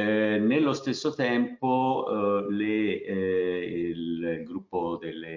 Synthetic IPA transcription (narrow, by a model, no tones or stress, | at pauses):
nelːost̪esːot̪ɛmpo | le | lɡɾupːod̪elːe